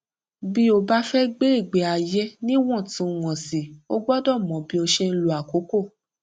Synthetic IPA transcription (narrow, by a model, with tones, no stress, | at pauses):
bi˦o˧ba˦fɛ˦ɡ͡be˦i˦˨ɡ͡be˨a˨jɛ˦nĩ˦w̃ɔ̃˦˨tũ˨˦˧w̃ɔ̃˨si˨o˦ɡ͡bɔ˦dɔ˦˨mɔ̃˨bĩ˦o˧ʃɛ˧n̩˦˧lu˨a˨ko˨˦ko˦˨